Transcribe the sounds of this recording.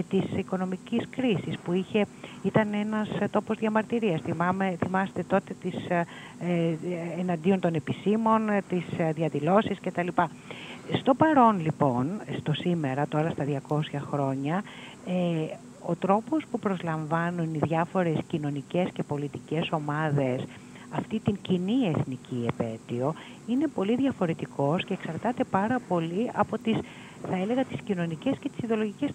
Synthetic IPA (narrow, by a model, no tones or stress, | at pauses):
et̪isiko̞no̞miciskɾisispuiçe̞it̪ɐne̞nɐst̪o̞po̞zðjɐmɐɾt̪iɾiɐsθimɐmeθimɐse̥t̪e̞t̪o̞t̪e̞t̪is | enɐnd̪io̞nt̪o̞ne̞pist̪imo̞nt̪isðjɐðilo̞sisce̞t̪ɐlipɐ | st̪o̞pɐɾo̞nlipo̞nst̪o̞sime̞ɾɐt̪o̞ɾɐst̪ɐðʝɐko̞sçɐxɾo̞ɲɐ | e | o̞t̪ɾo̞po̞spupɾo̞zlɐɱvɐnuniðʝɐfo̞ɾe̞scino̞nice̞sce̞po̞lit̪ice̞so̞mɐðe̞s | ɐft̪it̪iɲcinie̞θniciepe̞t̪io̞ | ine̞po̞liðʝɐfo̞ɾe̞t̪iko̞sce̞ːksɐɾt̪ɐt̪e̞pɐɾɐpo̞liɐpo̞t̪is | θɐele̞ɣɐt̪i̥scino̞nice̞sce̞t̪i̥siðeo̞lo̞ʝices